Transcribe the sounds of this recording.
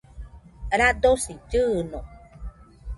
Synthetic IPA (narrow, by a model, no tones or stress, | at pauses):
ɾad̪osiɟɯno